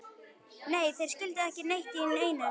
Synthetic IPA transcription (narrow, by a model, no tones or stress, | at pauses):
neːjθejɾ̥scʏlt̪ɪðɛhcɪnejht̪iɪnːeːjna